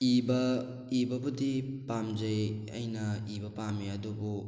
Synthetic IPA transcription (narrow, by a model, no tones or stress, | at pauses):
ibɐ | ibɐbudipamd͡ʒɐjɐ̰jnɐibɐpamiɐdubu